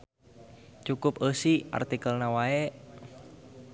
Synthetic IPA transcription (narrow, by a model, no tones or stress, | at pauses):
t͡ʃukʊp̚əsiʔa̰rt̪ikəlnawae